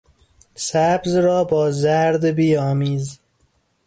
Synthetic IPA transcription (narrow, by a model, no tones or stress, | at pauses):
sæbzɾɒːbɒːzæɾd̪biːɒːmiːz